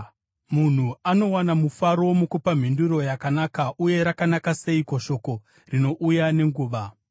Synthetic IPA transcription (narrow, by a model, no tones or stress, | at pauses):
mun̤uano̞wanamufaɾo̞mukupam̤induɾo̞jakanakaʔuje̞ɾakanakase̞ikoʃo̞ko̞ | rino̞ʔujane̞ŋɡuːʋa